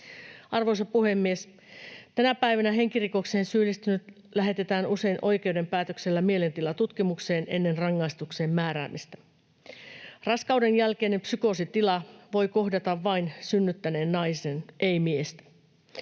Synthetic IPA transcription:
ɑrʋo̞jsɑpuhe̞mːie̞s | t̪ænæpæjʋænæɦe̞ŋkiriko̞kseːnsyːlːist̪ynyt̪ | læɦe̞t̪e̞t̪æːnuse̞inʔo̞jk̟ewde̞mpæːt̪økselːæmie̞le̞nt̪ilɑt̪ut̪k̟imukse̞ːne̞̰nːe̞nrɑŋːɑist̪ukse̞ːmːæːɾæ̰ːmist̪æ̥ | rɑskɑude̞njælkeːne̞mpsyko̞sit̪ilɑʋo̞jko̞ɦdɑt̪ɑʋːɑinsynːyt̪ːæne̞ːnːɑjsenʔejmiest̪æ̥

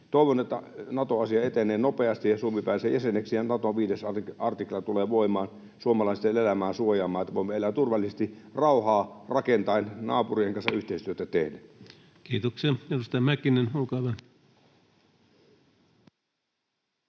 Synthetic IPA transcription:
t̪oˑiʋonet̪ːæ̰nɑt̪oɑsiɑet̪enˑeːnopeɑst̪ijjɑsuomipæˑːseːjæseneksijɑnɑt̪oʋiːdesɑɑrt̪iklɑt̪uleːʋoˑimɑːn | suomɑlɑˑist̪enelæmæːsuojɑːmɑːet̪ːæʋoimeelːæːt̪urʋɑlːˑisest̪irɑuhɑːrɑkent̪ɑinnɑ̰ːpurieŋkɑnsɑyht̪eˑist̪yøt̪æt̪ehdæ | kiːt̪oksiɑedust̪ɑjɑmækinenulkɑʋɑn

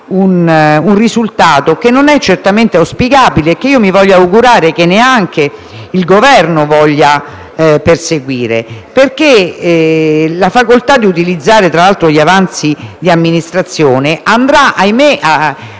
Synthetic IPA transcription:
ununrizult̪aːt̪okenːonɛt͡ʃːert̪ament̪easpiɡaːbileːkːeiːomivɔʎːauɡuɾaːɾekenːeaŋk̟e | ilɡovɛrnovɔʎːa | perseɡwiːɾḛperk̟e | lafakolt̪ad̪ːiut̪̬ilid̪zːaːɾet̪ɾalalt̪ɾoʎiavant̪sid̪iamːinist̪ɾat̪sːjoːneʔand̪ɾaʔajmea

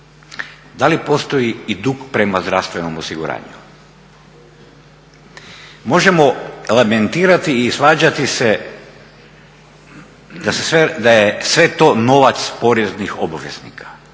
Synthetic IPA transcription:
d̪alipo̞st̪o̞jiid̪ukpɾe̞mazd̪ɾafst̪ʋe̞no̞mosiɡuɾa̰ːɲu | mo̞ʒemo̞eleme̞nt̪iːɾat̪iːsʋaːd͡ʑat̪ise | d̪asesʋed̪ajesʋe̞t̪o̞no̞ʋat̪spo̞ɾeznixo̞baʋjeznḭkʰḁ

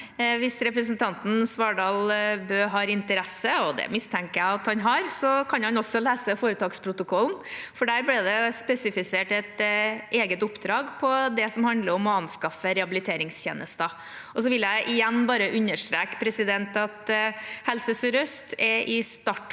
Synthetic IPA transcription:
ʋɪsɾɛpɾəsənt̪ʰɑnt̪n̩sʋɑɖɑːlbøːɦɑːɾɪnt̪əɾɛsəɔd̪ɛ̰mɪst̪ʰɛŋkəæɪɑt̪hɑnɦɑɾsɔkʰɑnhɑnɔsɔlæːsəfoːɾət̪ʰɑːɡspʰɾʊt̪ʊkʰɔlnfɔɖæːɾblɛd̪ɛspɛsɪfɪseːʈɛt̪ʔeːɡət̪ʊpd̪ɾɑːɡpʰɔd̪ɛsɔmhɑnd̪ləɾɔmɔɑnskɑfəɾɛɑbɪlɪt̪ʰeːɾɪŋsçḛːnʔəst̪ə | ɔsɔʋɪljæɪʔɪjɛnːbɑːɾəʔʉnːəʂʈ̪ɾeːkpʰɾɛsɪd̪ɛnt̪ɑt̪hɛlsəsɾœst̪ʰɛʔɪst̪ɑʈ

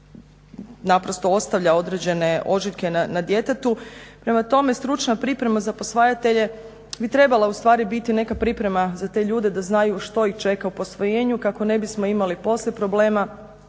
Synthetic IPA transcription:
napɾo̞st̪o̞o̞st̪aʋʎao̞d̪ɾe̞d͡ʑe̞ne̞ʔo̞ʒiʎke̞nanad̪je̞t̪et̪upɾe̞mat̪o̞me̞st̪ɾut͡ʃnapɾipɾe̞mazapo̞sʋajat̪e̞ʎe̞ | bit̪ɾe̞balˠaust̪ʋaːɾibit̪ine̞kapɾipɾe̞mazat̪e̞ʎuːd̪e̞d̪aznajuʃt̪o̞ixt͡ʃe̞kaupo̞sʋo̞jeːɲukako̞ne̞bismo̞imalipo̞slʲepɾo̞ble̞ːma

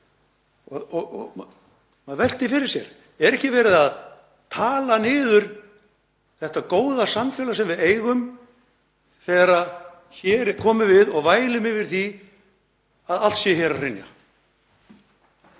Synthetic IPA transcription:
ɔɔ | maðvɛl̥t̪ɪfɪɾɪɾ̥sjɛɾ̥ | ɛɾɛhcɪvɛːɾɪðað | t̪ʰaːlanɪːðʏɾ̥ | θɛht̪akoːwðasamfɛːlasɛmvɪðeːjɣʏm | θɛːɾað | çɛɾkʰɔːmɪvɪðɔɣvaːjlɪmɪvɪɾ̥θi | aðal̥sjɛçɛːɾarɪnja̰

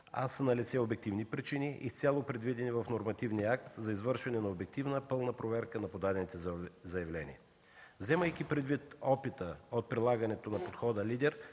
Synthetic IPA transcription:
a̰sənɐlit̪sɛobɛk̚t̪ivnipɾit͡ʃiniʔist̪sʲalˠopɾɛd̪vid̪ɛnivɐfnoɾmɐt̪ivniəak̚t̪zɐizvɤɾʃvɐnɛnɐobɛk̚t̪ivnəpɤlˠnəpɾovɛɾkənɐpod̪ad̪ɛnit̪ɛzɐjɐvlɛnḭɛ | vzɛməjk̟ʲipɾɛd̪vit̪ɔpit̪əot̪̚pɾilˠaɡɐnɛt̪onɐpot̪xɔd̪əlid̪ɛɾ

